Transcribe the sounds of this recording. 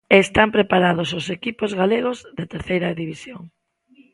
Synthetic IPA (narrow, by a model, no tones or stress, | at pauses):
eːst̪ampɾepaɾað̞ʊsosekipozɣaleɣ̞ozðet̪eɾθejɾɐðiβisjoŋ